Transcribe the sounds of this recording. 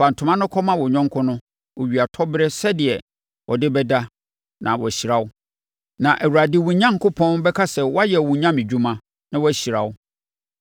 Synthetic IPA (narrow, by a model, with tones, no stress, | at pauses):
a˨n̩˨tʰʊ̃˨mã˦nʊ̃˦kʰɔ˦mã˦wɔ˨ɲɔ̃˦ŋ˦kʰʊ˦nʊ̃˦ | wo˨ɥi˨a˨tʰɔ˦bɪ˦ɾɛ˦sɛ˦dɪ˨ɛ˨ | wʔɔ˨dɪ˦bɛ˦da˦ | nã˨wɔ˨ɕi˨ɾa˦wʊ˦ | nã˨ʔæ˨wu˨ɾa˨dɪ˦˨wũ˨ɲã˦ŋ̩˨˦kʰʊ˦pʰɔ̃˦nbɛ˦kʰa˦sɛ˨wɔ˦a˦jɛ˨wũ˨ɲã˦mɪ̃˨d͡ʑᶣu˦mã˦ | nã˦wɔ˦æ˨ɕi˨ɾa˨wʊ˦